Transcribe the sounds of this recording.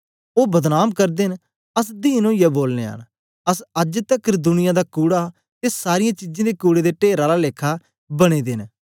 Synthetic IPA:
oːbɐd̪naːmkɐɾd̪ɪn | əs̬d̪iːnõːɪjaboːlnḛːɦə̰n | ɐsɐd͡ʒt̪ɛkːɾd̪ʊnɪjãd̪akuːɽa | t̪esaːɾɪjãːt͡ʃɪd͡ʒẽːd̪ekuːɽed̪eʈeːɾaɾaleːkʰa | bɐɽ̃ed̪ɪn

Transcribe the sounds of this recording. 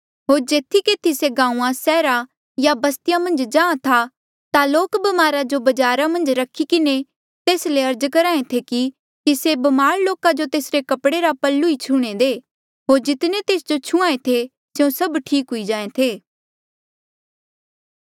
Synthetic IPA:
ɦoːɾd͡ʒeːt̪ʰːikeːt̪ʰiseɡãːũãsɛːɾa | jabɐst̪ɪjamɐ̃nd͡ʒd͡ʒãːãt̪ʰa | t̪aloːkbɐmaːɾad͡ʒobɐd͡ʒaːɾamɐ̃nd͡ʒɾɐkʰːikɪne | t̪eːsleɐɾd͡ʒkɐɾaːẽt̪ʰeki | kisebɐmaːɾloːkad͡ʒot̪eːsɾekɐpɽeɾapɐlːuit͡ʃʰuːɽ̃ed̪eː | ɦoːɾd͡ʒɪt̪net̪eːsd͡ʒot͡ʃʰʊ̃ãːẽt̪ʰe | seõsɐbʈʰiːkɦʊid͡ʒãːẽt̪ʰeː

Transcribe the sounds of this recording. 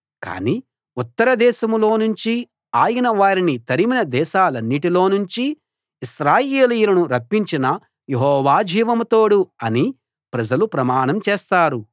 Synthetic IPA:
ka̰ːniː | ut̪ːɐɾɐd̪ɛːʃɐmlo̞ːnuɲt͡ʃi | aːjɐnɐʋaːɾinit̪ɐɾiminɐd̪ɛːʃaːlɐnːiʈilo̞ːnuɲt͡ʃiː | ʃɾaːjeːlijulɐnuɾɐpːiɲt͡ʃinɐ | jeɦɔːʋaːd͡ʒʱiːʋɐmt̪o̞ːɽuɐni | pɾɐd͡ʒɐlupɾɐmaːɳɐmt͡ʃɛːst̪aːɾu

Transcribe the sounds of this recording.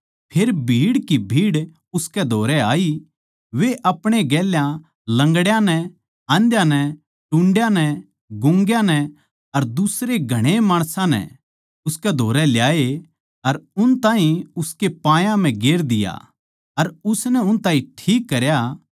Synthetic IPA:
pʰeːɾbʱiːɽkibʱiːɽ | ʊskɛd̪ʱoːɾɛaːi | ʋeʔɐpɽ̃eɡɛːljã | lɐ̃ŋɡɽjãnɛ | ãːnd̪jãnɛ | ʈʊ̃ɳɖjãnɛ | ɡʊ̃ŋɡjãnɛ | ɐɾd̪ʊsɾeɡʱɐɽ̃emaːɽ̃sãnɛ̰ | ʊskɛd̪ʱoːɾɛljaːe | ɐɾʊnt̪ãːɦĩʊskepãːjãm̤ɛ̃ɡeːɾd̪ɪja̰ | ɐɾʊsnɛʊnt̪ãːɦĩʈʰiːkːɐɾja

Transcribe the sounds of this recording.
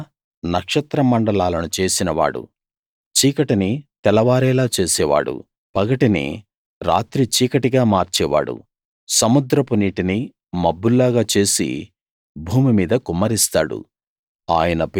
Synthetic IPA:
nɐkʂɐt̪ɾɐmɐɳɖɐlaːlɐnut͡ʃe̞ːsinɐʋa̰ːɽṵ | t͡ʃiːkɐʈinit̪ɛlɐʋaːɾɛːlaːt͡ʃe̞ːsɛːʋa̰ːɽṵ | pɐɡɐʈinḭ | ɾa̰ːt̪ɾit͡ʃiːkɐʈiɡaːmaːɾt͡ʃɛːʋa̰ːɽṵ | sɐmud̪ɾɐpuniːʈini | mɐbːulːaːɡaːt͡ʃe̞ːsḭ | bʱuːmimiːd̪ɐkumːɐɾist̪a̰ːɽṵ | aːjɐnɐp

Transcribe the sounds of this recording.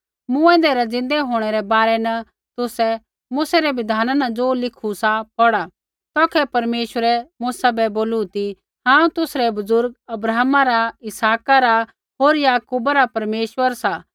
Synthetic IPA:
mʊ̃ɛ̃ːnd̪ɛɾad͡zɪ̃nd̪ɛɦoːɽ̃ɛɾɛbaːɾɛnɐ | t̪ʊsɛ | mʊsɛɾɛbɪd̪ʱaːnanɐd͡zoːlɪkʰusapɔɽa | t̪ɔːkʰɛpɐɾmeːʃwəɾɛmʊsabɛboːlut̪i | ɦãːũt̪ʊsɾɛbʊzʊɾɡɐbɾaːmaɾaɪsaːkaɾa | ɦoːɾjaːkuːbaɾapɐɾmeːʃwəɾsa

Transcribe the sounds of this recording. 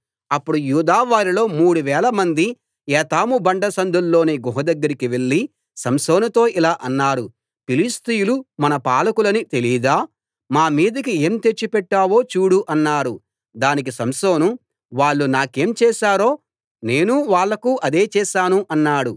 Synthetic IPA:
ɐpːuɽujuːd̪aːʋaːɾilo̞ːmuːɽuʋɛːlɐmɐnd̪i | ɛːt̪aːmubɐɳɖɐsɐnd̪ʱulːo̞ːneːɡuɦɐd̪ɐɡːɐɾikiʋe̞ɭːi | sɐmso̞ːnɐt̪o̞ːʔilaːʔɐnːaːɽu | pilist̪ijulumɐnɐpaːlɐkulɐnit̪e̞liːd̪aː | maːmiːd̪ɐkie̞ːmt̪et͡ʃːipɛʈːaːʋo̞ːt͡ʃuːɽuʔɐnːaːɽu | d̪aːnik̬isɐmso̞ːnu | ʋaːɭːunaːke̞ːmt͡ʃɛːʃaːɾo̞ː | ne̞ːnuʋaːɭːɐkuʔɐd̪e̞ːt͡ʃɛːʃaːnuʔɐnːaːɽu

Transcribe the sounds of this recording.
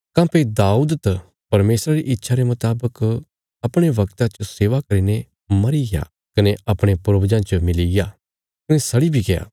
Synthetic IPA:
kãːpʰed̪aːuːd̪t̪ɐ | pɐɾmeːsɾaɾiʔɪtːʃʰaɾemʊt̪aːbək | ɐpɽ̃eʋɐkt̪ãt͡ʃoseːʋakɐɾiːne | mɐɾiɡa̰ | kɐneɐpɽ̃epɾobd͡ʒãt͡ʃɐmɪliɡa | kɐnesɐɽibʱiɡeja̰ː

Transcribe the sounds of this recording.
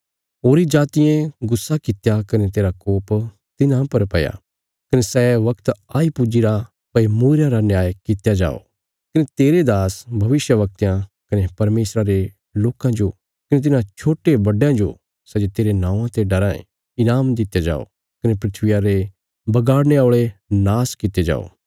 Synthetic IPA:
ɦoːɾid͡ʒaːt̪ɪjẽɡʊsːakɪt̪jakɐnet̪eːɾakoːp | t̪ɪnãpɐɾpɐja̰ | kɐnesɛʋɐkt̪aːipud͡ʒiɾa | pɐimuːɾjãɾanjaːjkɪt̪jad͡ʒa̰ːo̰ | kɐnet̪eːɾed̪aːsbʱɐʋɪsjəʋɐk̚t̪jãkɐnepɐɾmeːsɾaɾe | loːkãd͡ʒo | kɐnet̪̬ɪnãt͡ʃʰoːʈebɐɖjãd͡ʒo̰ | sɛd͡ʒet̪eːɾenãːãt̪eɖɐɾã | ɪnaːmd̪ɪt̪jad͡ʒa̰ːo̰ | kɐnepɾɪt̪ʰʋɪjaɾe | bɐɡaːɽneaoːɭenaːskɪt̪ed͡ʒa̰ːo̰ː

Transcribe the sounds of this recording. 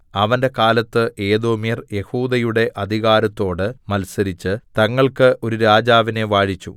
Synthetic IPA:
ɐʋɐnde̞kaːlɐt̪ːɨʔe̞ːd̪o̞ːmijɐrje̞huːd̪ɐjuɽe̞ʔɐd̪ʱiɣaːɾɐt̪ːo̞ːɽɨmɐlsɐɾit͡ɕːɨt̪ɐŋːɐɭkɨʔo̞ɾuɾaːd͡ʑaːʋine̞ʋaːɻit͡ɕːṵ

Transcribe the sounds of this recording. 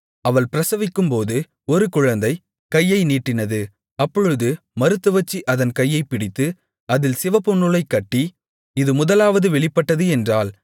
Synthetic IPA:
ɐʋɐɭpɪɾɐsɐʋɪkːɯmpoːðɯ | ɔɾɯkʊɻɐnd̪ɐɪ | kɐjːɐɪniːʈːɪnɐðɯ | ɐpːɔɻɯðɯ | mɐɾɯt̪ːɯʋɐt͡ʃːiʔɐðɐnkɐjːɐɪpːɪɽɪt̪ːɯ | ɐðɪlsɪʋɐpːɔɳːɯlɐɪkːɐʈːi | ɪðɯmʊðɐlaːʋɐðɯʋɛɭɪpːɐʈːɐðɯɛndraːl

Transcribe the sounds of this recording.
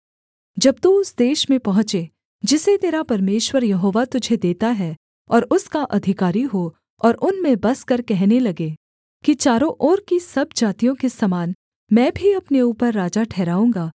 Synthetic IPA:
d͡ʒɐb̚t̪uʊsd̪eːʃmẽpɐɦʊ̃t͡ʃe | d͡ʒɪset̪eːɾapɐɾmeːʃwəɾjɐɦoːʋat̪ʊd͡ʒʱed̪eːt̪aɦɛ | ɔːɾʊskaʔɐd̪ʱɪkaːɾiɦo | ɔːɾʔʊnmẽbɐskɐɾkɛɦnelɐɡe | kit͡ʃaːɾõʔɔːɾkisɐbd͡ʒaːt̪ijõkesɐmaːn | mɛ̃ːbʱiɐpneuːpəɾːaːd͡ʒaʈʰɛːɾaːũːŋɡaː

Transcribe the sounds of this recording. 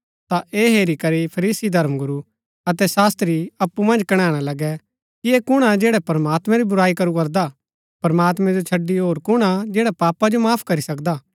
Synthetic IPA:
t̪aʔeːɦeːɾikɐɾipʰɐɾiːsid̪ʱɐɾmɡʊɾu | ɐt̪ɛsaːst̪ɾiɐpːumɐ̃nd͡ʒkɐɽ̃ãːɽ̃alɐɡɛ | kieːkʊɽ̃ad͡ʒeːɽɛpɐɾmaːt̪mɛ̃ɾibʊɾaːikɐɾukɐɾd̪a | pɐɾmaːt̪mɛ̃d͡ʒot͡ʃʰɐɖːiɦoːɾkʊɽ̃ad͡ʒɛːɽapaːpad͡ʒomaːpʰkɐɾisɐkd̪aː

